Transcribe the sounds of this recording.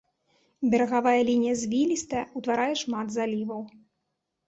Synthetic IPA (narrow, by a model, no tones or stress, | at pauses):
bʲɛɾɐɣavajɐlʲinʲijɐzʲvʲilʲist̪ɐut̪vaɾajɛʂmad̪zalʲivɐw